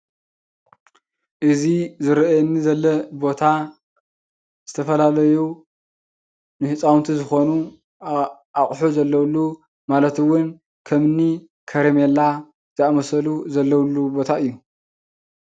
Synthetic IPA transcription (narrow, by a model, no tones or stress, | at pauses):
ʔɨzizɨɾʔnːizɐlːɐbo̞t̪ʰa | z̥ɨt̪ʰɐfɐlalɐju | nɨhɨt͡sʼawnt̪ʰizɨxo̞nu | aχʼħuzɐlːɐwlːu | malɐt̪ɨwʊn | kʰɐmnːi | kʰɐɾemelːa | z̥ɨamɐsɐluzɐlːɐwlːubo̞t̪ʰaɨjːu